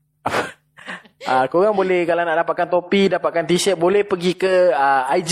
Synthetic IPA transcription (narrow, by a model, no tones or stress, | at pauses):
ap | ʔakoɣaŋbolɛhkalanaʔdapat̪̚kant̪opidapat̪̚kant̪iʃɛt̪̚bolɛhpəɡikəəajd͡ʒ